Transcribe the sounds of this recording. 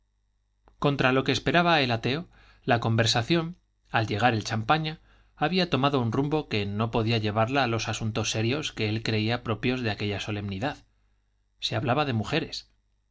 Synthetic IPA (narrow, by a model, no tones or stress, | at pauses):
ko̞nt̪ɾalo̞ke̞ːspe̞ɾaβaelat̪e̞o̞ | lako̞mbe̞ɾsaθjo̞n | alʝe̞ɣ̞aɾe̞lt͡ʃampaɲaː | βiat̪o̞maðo̞unrumbo̞ke̞no̞po̞ðiaʎe̞β̞aɾlaːlo̞sasunt̪o̞sːe̞ɾjo̞ske̞elkɾe̞iapɾo̞pjo̞zðe̞ake̞ʎaso̞le̞mniðað | se̞aβlaβaðe̞muxe̞ɾe̞s